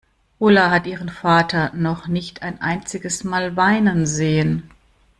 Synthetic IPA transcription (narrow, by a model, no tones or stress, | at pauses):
ʔʊlaɦatʔiːʁənfaːtʰɐnɔχnɪçtʰaɪnʔa̰ɪnt͡sɪɡəsmaːlvaɪnənzeːən